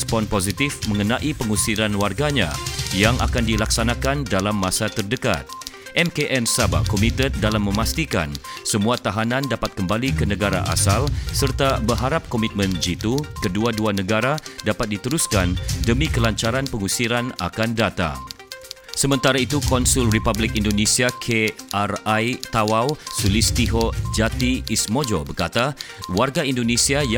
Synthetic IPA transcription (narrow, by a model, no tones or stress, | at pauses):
spɔnpozit̪ifmə̃ŋənaʔipəŋusiɾanwarɡaɲa̰jaŋʔa̰kandilaksanakandalamːãsat̪ərdəka̰t̪̚ | ʔɛmkeʔɛmsaba̰kɔmit̪ət̪̚dalamːə̃mast̪ika̰nsəmuat̪aɦanãndapat̪̚kəmbalikənəɡaɾa̰ʔa̰salsərt̪abərɦaɾap̚kɔmit̪̚mə̃nd͡ʒit̪ukəduaduanəɡaɾadapat̪̚dit̪əɾuskandəmikəlaɲt͡ʃaɾanpəŋusiɾana̰kandat̪a̰ | səmə̃nt̪aɾait̪ukɔnsulripablɪkindonesiakʰearajt̪awawsulist̪iɦod͡ʒat̪iːsmod͡ʒobərkat̪awarɡaindonesiaj